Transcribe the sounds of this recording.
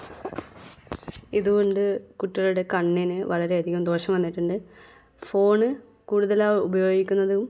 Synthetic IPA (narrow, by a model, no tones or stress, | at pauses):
iðuɣo̞ɳɖɨkuʈːɐɭuɽe̞kɐɳːinɨʋɐɭɐɾe̞ɐd̪ʱiɣɐmd̪o̞ːɕɐmʋɐnːiʈːuɳɖɨ | fo̞ːɳɨ | kuːɽuðɐlaːubɐjo̞ːɡikʲːunːɐðuum